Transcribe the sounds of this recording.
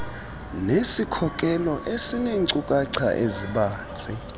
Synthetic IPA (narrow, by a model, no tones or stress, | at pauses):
nesikʰɔkʼɛlɔʔesineŋǀukʼaǀʰa̰ʔeziɓaːnd͡zʱʼɛ